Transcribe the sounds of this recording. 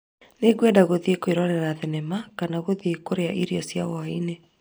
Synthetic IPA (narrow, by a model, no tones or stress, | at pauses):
neɣwɛdaɣoðiekoeɾɔnɛɾaðɛnɛmakanaɣoðekoɾeaʔiɾiɔsjaɣɔaine